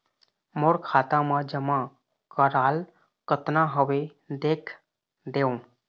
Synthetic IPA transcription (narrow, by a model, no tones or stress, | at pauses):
moːɾkʰaːt̪ãmãd͡ʒəmã | kəɾaːl | kət̪nãɦəʋe | d̪eːkʰ | d̪eːõː